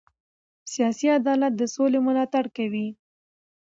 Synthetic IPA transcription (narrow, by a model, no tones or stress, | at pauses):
sijɑsiad̪ɑlat̪̚d̪əsolemʊlɑt̪aɽkawi